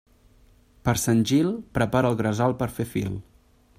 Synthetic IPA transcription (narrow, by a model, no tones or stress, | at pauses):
pəɾsənʲʒilˠpɾəpaɾəːlˠɣɾəzalˠpəɾfefḭlˠ